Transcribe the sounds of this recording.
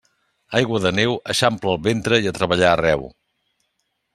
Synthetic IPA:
ajɣwəðənewəʃampləːlˠβent̪ɾəiət̪ɾəβəʎaərɛw

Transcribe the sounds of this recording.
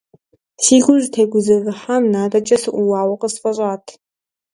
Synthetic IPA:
siːɡʷʊʒʷtʰeːɡʷʊzɐrɨħamnaːdɐt͡ʃʼɐsɨʔʷuwaːwɐqʼəsfʼɐɕʷʼaːtʰ

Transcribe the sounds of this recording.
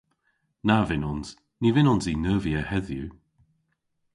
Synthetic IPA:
navɪnɔnz̥ | nivɪnɔnzinəːviəhɛðju

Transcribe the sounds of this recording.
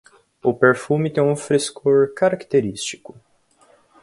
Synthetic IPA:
ʊpeɾfumit̪ẽũfɾiskoɾkaɾakt̪eɾist͡ʃi̥kʊ

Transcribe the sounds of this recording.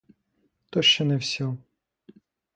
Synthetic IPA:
t̪ɔʃt͡ʃɛnɛwsʲɔ

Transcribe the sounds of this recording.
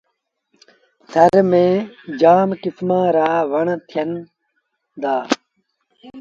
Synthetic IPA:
sʰɐɾmẽːd͡ʑaːmkismãːɾaːʋɐɳt̪ʰijɐn | d̪aː

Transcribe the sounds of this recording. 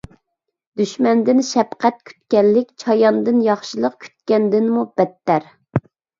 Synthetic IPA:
d̪̥yʃmɛnd̪ɪnʃɛpqʰɛt̪̚kʲʰy̥t̪kʲɛnlːɪkʲt͡ʃʰɑjɑnd̪ɨnjɑχʃilˠəqkʲʰy̥t̪̚kʲɛnd̪ɪnmub̥ɛt̪ːæɾ

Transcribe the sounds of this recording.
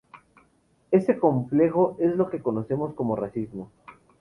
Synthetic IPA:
e̞se̞ko̞ɱple̞xo̞ʔe̞zlo̞ke̞ko̞no̞se̞mo̞sko̞mo̞rasizmo

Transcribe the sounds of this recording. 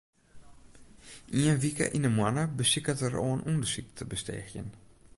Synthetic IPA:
ʔiənʋikə̰ʔinəmwanəbəsikətəroːənʔundəsik̚tʰəbəstɛ̰xjə̰n

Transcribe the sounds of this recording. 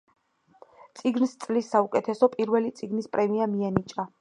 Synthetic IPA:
t̪sʼiɡnst̪sʼlisːaukʼɛt̪ʰɛsɔpʼiɾvɛlit̪sʼiɡnispʼɾɛmiamianit͡ʃʼa

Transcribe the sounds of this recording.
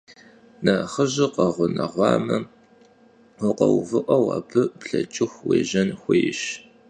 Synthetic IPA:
nɐχəʑɪqɐʁʷʊnɐʁʷɑːmɐ | wʊqɐwvɨʔʷɐwɐ̰pʰɨpɬɐt͡ʃʼɪxʷweːʒɐnxʷejɪɕ

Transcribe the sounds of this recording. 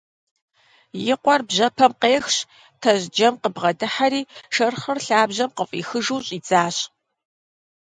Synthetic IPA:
jɪqʷɔrbʑɐpʰɐmqeːxɕ | tʰɐʑd͡ʒɐmqəbʁɐdɨħaɾiːʂɐrχɐrɬaːbʑɐmqəfʼḭːxɨʒuːɕʼiːd͡zaːɕʼ

